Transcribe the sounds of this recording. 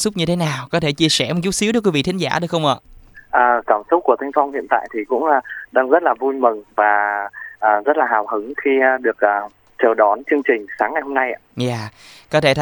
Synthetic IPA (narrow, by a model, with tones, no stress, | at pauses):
sʊ˦˥k͡p̚ɲɨ˧t̪ʰe˨˦naː˨˩wkɔ˨˦t̪ʰe˧˩t͡ɕi˧əsɛ˧˩m̚˨˩t͡ɕu˦˥t̚si˨˦ɗə˦˥k̬wi˨˦vḭ˧˨t̪ʰi˨˦ŋ̟zaː˧˩˨ɗɨ˨˩ək̚xə˧wʔə̰ː˧˨ʔəː˨˩kaː˧˩msʊ˦˥k͡p̚ku˧˩ət̪ʰa˧ŋ̟fɔ˧wŋ͡mhḭ˧˨ənt̪a̰ː˧˨jt̪ʰi˨˩kʊ̰˧˥ŋ͡mːɗaː˧ŋzə˦˥t̚laː˨˩vu˧jmɨ˨˩ŋvaː˨˩ʔəː˨˩zə˦˥t̚laː˨˩ɦaː˨˩whɨ˨˦ŋxi˧ɗɨ˨˩ək̚ʔəː˨˩ | t͡ɕə˨˩wɗɔ˨˦nt͡ɕɨ˧əŋt͡ɕï˨˩ŋ̟saː˨˦ŋːa˨˩jho˧mna˧jʔa̰ː˧˩zaː˨˩kɔ˨˦t̪ʰe˧˩t̪ʰ